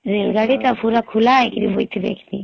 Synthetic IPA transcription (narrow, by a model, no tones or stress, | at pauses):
zilɡalitafuɾakʰulaɛkilivɔitibɛ̰kni